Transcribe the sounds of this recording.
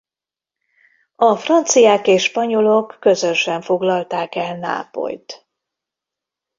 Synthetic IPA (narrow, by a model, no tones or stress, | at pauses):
ɒfrɒnt̪sijaːkeːʃːpɒɲo̞lo̞kːøzøʃɛɱfo̞ɡlɒlt̪aːkɛlna̰ːpo̰jt̪